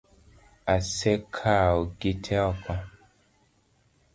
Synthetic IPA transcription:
asɛkʰaoɡetʰɛɔka

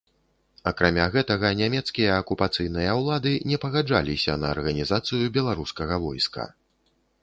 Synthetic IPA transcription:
ɐkɾamʲaɣɛt̪ɐɣɐnʲamʲɛt̪skʲijɐːkupat̪sɨjnɨjɐwlˠad̪ɨnʲɛpɐɣad͡ʐa̰lʲisʲɐ̰nɐ̰ːrɣɐnʲizat̪sɨjubʲɛlˠaɾuskɐɣɐvɔjskɐ̰

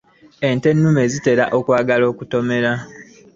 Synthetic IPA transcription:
e̞nte̞nːume̞zite̞ɾa̰ʔo̞kwaːɡalo̞ːkuto̞me̞ɾa

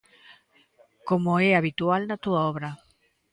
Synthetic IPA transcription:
komoeaβit̪ualnat̪uaɔβɾa

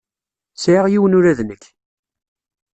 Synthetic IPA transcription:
sʕiʁjiwənʊɾæðnəkː

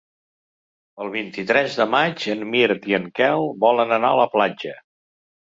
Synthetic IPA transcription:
əlˠβ̞int̪it̪ɾɛzðəmad͡ʒənmiɾt̪iəŋkɛlˠbɔlənəna̰ələplad͡ʒə

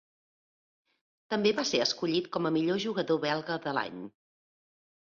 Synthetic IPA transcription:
t̪əmbeβaseəskuʎit̪kɔməmiʎoʒuɣəðoβɛlˠɣəðəla̰ɲ

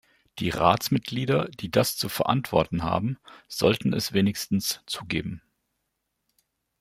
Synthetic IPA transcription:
d̥iːʁa̰ːt͡smɪt̚ɡ̥liːdɐd̥iːdast͡sufɛɐʔa̰ntv̥ɔɐtn̩ɦa̰ːbm̩z̥ɔ̰ltn̩ɛsv̥eːnɪçstn̩st͡suːɡeːbm̩

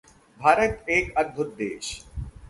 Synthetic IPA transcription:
bʱaːɾət̪eːkɐɡ̚bʱot̪̚d̪ḛːʃ

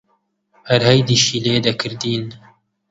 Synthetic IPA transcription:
hæɾhɛjd̪iːʃiːleːd̪ɐkʰɨɾd̪iːn

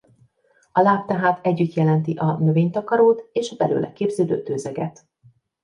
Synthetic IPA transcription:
ɒlaːp̚t̪ɛɦaːt̪ɛɟːyt̪jɛlɛnt̪iʔɒnø̞veːɲt̪ɒkɒɾoːt̪eːʃɒbɛlø̰ːlʔɛ̰keːbzøːd̪ø̰ːt̪øːzɛɡɛt̪

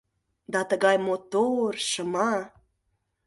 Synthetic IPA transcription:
d̪ɑt̪əɣɑjmot̪orʃəmɑ

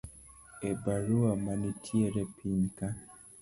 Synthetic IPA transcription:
ebaɾuamanitʰieɾepinka

